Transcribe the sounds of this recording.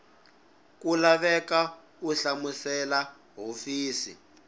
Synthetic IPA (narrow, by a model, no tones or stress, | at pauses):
kulaβɛka | uɬamusɛla | ɦofiːsḭ